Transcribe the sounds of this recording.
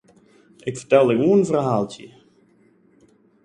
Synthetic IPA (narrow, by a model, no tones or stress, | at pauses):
ʔɪkfərtɛlˠdəkuəənvərɦaːlˠtə̰